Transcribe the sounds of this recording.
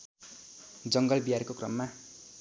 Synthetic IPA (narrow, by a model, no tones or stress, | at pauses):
d͡zʌŋɡʌlbijaɾkokrʌmːa